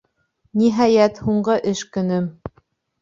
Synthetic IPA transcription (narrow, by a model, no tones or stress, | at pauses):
niɦɑjæt̪huɴɢɤʔɘʃkɵ̆nɵm